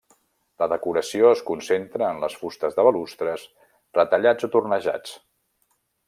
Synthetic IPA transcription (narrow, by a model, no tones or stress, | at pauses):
ləðəkuɾəsioəskunsent̪ɾəːnləsfust̪əzðəβəlust̪ɾəs | rət̪əʎad͡zot̪urnəʒa̰t͡s